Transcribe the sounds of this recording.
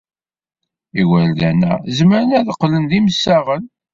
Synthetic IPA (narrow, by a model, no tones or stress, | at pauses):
iwælðænæ̰zməɾənæðəqːlənðiməsːaʁən